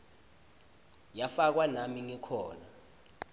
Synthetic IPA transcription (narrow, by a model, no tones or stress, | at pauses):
jafak̬wanamiŋikʰɔːna